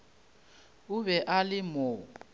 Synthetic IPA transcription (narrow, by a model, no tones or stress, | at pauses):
uβɛʔalɪmɔː